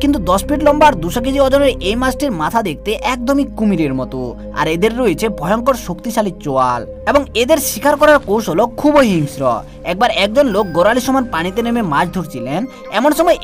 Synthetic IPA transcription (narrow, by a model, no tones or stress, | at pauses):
kint̪̬ud̪ɔspiʈlɔmbaɾd̪uʃɔk̬ed͡ʑiɔd͡ʑoɾeɾʔejmasʈiɾmat̪ʰad̪ek̚ʰt̪eʔɛk̚d̪omikumiɾeɾmɔt̪o | a̰ɾed̪eɾːoet͡ɕʰebʱɔjɔŋkɔɾʃokt̪iʃalit͡ɕoal | ebɔŋed̪eɾʃikʰaɾkɔɾaɾkowʃolokʰːuboɦiŋsɾɔ̰ | ɛk̚baɾɛk̚d͡ʒonlok̚ɡoɾaliʃɔmanpaɽ̃it̪̬enememad͡ʑd̪ʱuɾt͡ɕʰilen | ɛmonʃɔmɔe